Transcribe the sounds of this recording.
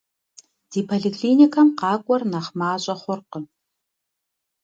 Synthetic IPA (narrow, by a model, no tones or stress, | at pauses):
d̥iːpʰoɮikʰliːnikʰɐmqɑːkʷʼɔrnɐχmaːɕʼɐχʷʊrqə